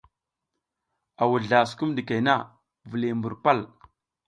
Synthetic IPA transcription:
a˨wu˨ɮa˨sku˦mdi˨ka˨jna˦ | vu˨le˨mbu˨ɾpa˦l

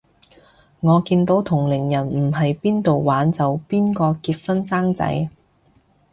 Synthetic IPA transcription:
ŋɔː˨˧kiː˧nt̪o˨˥wt̪ʰʊ˨˩ŋlɪ˨˩ŋjɐ˨˩nm̩˨˩ɦɐ˨jpiː˥nt̪o˨wːwaː˨˥nt͡sɐ˨˧wpiː˥nkɔː˧kiː˧t̚fɐ˥nsaː˥ŋt͡sɐ̰˨˥j

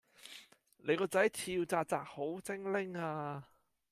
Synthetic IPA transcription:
lʔe˨˧jkɔː˧t͡sɐ˨˥jt͡sʰiː˧wt͡saː˧t͡saː˧k̚ho˨˥wt͡sɪ˥ŋlɪ˥ŋaː˧

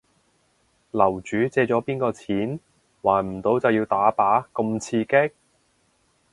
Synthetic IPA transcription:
lɐ˨˩wt͡ʃyː˨˥t͡sɛː˧t͡ʃɔː˨˥piː˥nkɔː˧t͡sʰiː˨˥n | waː˨˩nm̩˨˩t̪o˨˧wt͡sɐ˨wjiː˧wt̪aː˨˥paː˨˥kʊ˧mt͡sʰiː˧ke˥k̚

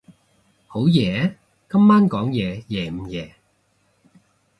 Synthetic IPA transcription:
ho˨˥wjɛː˨˩ | kɐ˥mːaː˥nkɔː˨˥ŋjɛː˨˧jɛː˨˩m̩˨˧jɛː˨˧

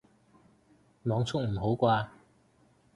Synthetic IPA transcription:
mɔː˨˧˥ŋt͡sʰʊ˥k̚m̩˨˩ɦo˨˥wkʷwaː˧

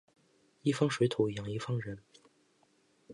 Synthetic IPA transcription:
i˥˩fɑ˥ŋʂwe˧˥ɪt̪ʰu˨˩˨jɑ˨˩ŋi˧˥fɑ˥ŋɻə˧˥n

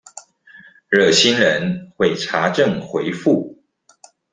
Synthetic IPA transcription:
ɻɤ˥˩ɕi˥nɻə˧˦nxwe˥˩ɪʈ͡ʂʰa˧˥ʈ͡ʂə˥˨ŋxwe˨˦˥ɪfu˥˩

